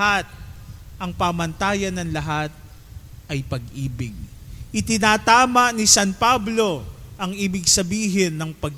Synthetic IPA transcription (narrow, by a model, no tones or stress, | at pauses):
at̪̚ʔɐŋpaːmɐnt̪aːjɐnɐŋlɐɦat̪̚ | ʔɐjpɐɡ̚ʔiːbɪɡ̚ʔɪt̪ɪnaːt̪aːmɐʔnɪsanpablo̞ʔɐŋiːbɪɡsɐbiːɦɪnːɐŋpɐɡ